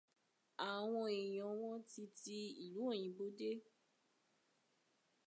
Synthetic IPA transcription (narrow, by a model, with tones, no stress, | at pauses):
a˨w̃ɔ̃˧e˨j̃ɔ̃˨˦w̃ɔ̃˦ti˧ti˧i˨lu˨˦o˦˨j̃ĩ˨˦bo˨˦de˦